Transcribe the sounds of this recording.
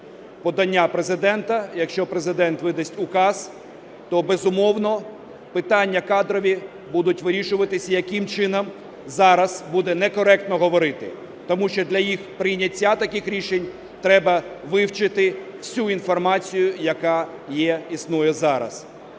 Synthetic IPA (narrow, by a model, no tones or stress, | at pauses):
pɔd̪ɐnʲːapɾezɪd̪ɛnt̪ɐjɐkʃt͡ʃɔpɾezɪd̪ɛnt̪ʋɪd̪ɐsʲtʲʊkɑz | t̪ɔbezʊmɔwnɔ | pɪt̪ɑnʲːɐkɑd̪ɾɔʋʲi | bud̪ʊtʲʋɪɾʲiʃʊʋɐt̪ɪsʲɐjɐkɪmt͡ʃɪnɐm | zɑɾɐz̥bud̪ɛnɛkɔɾɛk̚t̪nɔɦɔʋɔɾɪt̪ɪ̰ | t̪ɔmuʃt͡ʃɔd̪lʲɐjixpɾɪjnʲɐtʲːat̪ɐkɪxɾʲiʃenʲ | t̪ɾɛbɐʋɪwt͡ʃɪt̪ɪwsʲuinfɔrmɑt͡sʲijʊjɐkɑ | jɛisnujɛzɑɾɐ̰s